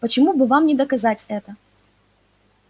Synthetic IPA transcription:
pət͡ɕɪmubɨvamnʲɪd̪ɐkɐzatʲɛt̪ə

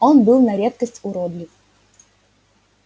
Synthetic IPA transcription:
ɔnbɨlˠnɐɾʲet̪̚kəsʲtʲʊɾɔd̪lʲɪf

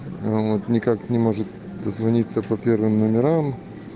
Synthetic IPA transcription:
vot̪nʲɪkaknʲɪmo̞ʐɨt̪ | d̪əzvɐnʲit̪səpɐpʲervɨmnəmʲɪɾam

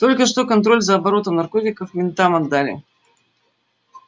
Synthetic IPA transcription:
t̪o̞lʲkəʂt̪okɐnt̪ɾo̞lʲzəːbɐɾo̞t̪əmnɐrko̞tʲɪkəfmʲɪnt̪amɐd̪ːalʲɪ̰

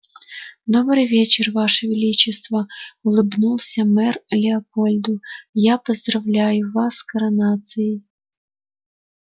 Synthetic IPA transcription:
d̪ɔbɾɪjʋʲɛt͡ʃɪrʋɑʃɛʋʲilʲit͡ʃɪst̪ʋɐʊlˠɪbnulˠsʲɐmɛrlʲeɐpɔlʲd̪ʊjapɔzd̪ɾɐwlʲajʊʋɑskɐɾɐnɑt̪sɨji

